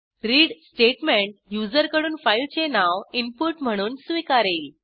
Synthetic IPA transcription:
ɾiːɽsʈeʈmeɳʈ̚jud͡zəɾkəɽuːnfailt͡senaʋimpuʈm̤əɽ̃uːnsʋikaɾeːl

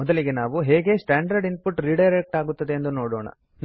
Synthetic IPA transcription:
ɔd̪ɐliɡe̞naːʋuɦeːɡe̞ːsʈaːɳɖɐɾɖinpuʈɾiːɖɐjɾek̚ʈaːɡut̪ːɐd̪e̞ːnd̪uno̞ːɽoːɳɐ̰ | n

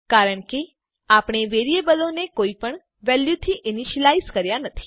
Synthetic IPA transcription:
kaɾəɳke | apɳ̃eʋeɾiebəlonekoipəɳ | ʋɛljut̪ʰiʔɪniʃəlaizkəɾjanət̪ʰi̥

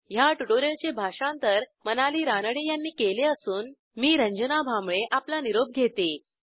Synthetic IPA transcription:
jaʈuʈoɾelt͡ɕebʱaʂãnt̪əɾmənaliːɾanəɽejanːiːkeleəsuːn | miːɾəɲd͡ʑənabʱamɭeʔaplaniɾob̚ɡʱet̪e

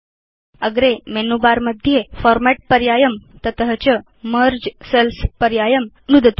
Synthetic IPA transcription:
əɡɾemenubaɾməd̪ʱːjefɔɾmæʈ̚pəɾjajəmt̪ət̪əɦət͡ɕə | məɾd͡ʑselspəɾjajəm | nud̪ət̪

